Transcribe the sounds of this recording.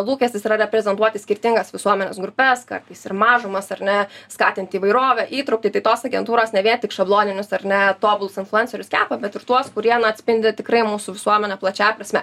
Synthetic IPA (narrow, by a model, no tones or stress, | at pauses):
lˠuːkʲɛsʲt̪ʲɪsiɾɐɾʲɛpʲɾʲɛzʲɛnt̪uɔt̪ʲɪsʲkʲɪrʲt̪ʲɪŋɡɐsʋʲɪsuɔmʲɛnʲeːsɡɾʊpʲɛskɐ̰rt̪ɐɪsɪrmɑːʒʊmɐsɐrnʲɛskɑːt̪ʲɪnʲt̪ʲɪiːʋɐɪɾoːʋʲɛʔiːt̪ɾɐʊkt̪ʲiːt̪ɐɪt̪oːsɐɡʲɛnt̪uːɾoːsnʲɛʋʲiɛnt̪ʲɪkʃɐblˠoːnʲɪnʲʊsɐrnʲɛt̪oːbʊlˠʊsɪnflˠʊɛnʲsʲɛɾʲʊskʲæːpɐbʲɛt̪ɪrt̪uɔskʊɾʲiɛnɐɐt̪ʲsʲpʲɪnʲd̪ʲɪt̪ʲɪkɾɐɪmuːsʊʋʲɪsuɔmʲɛnʲɛplˠɐt͡ʃʲæːpɾɐsʲmʲɛ